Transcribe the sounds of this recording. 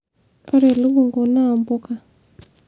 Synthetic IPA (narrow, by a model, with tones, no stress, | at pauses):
a˦ɾe˨lu˦βu˨ŋɡo˨na˦˨mbu˦ka˨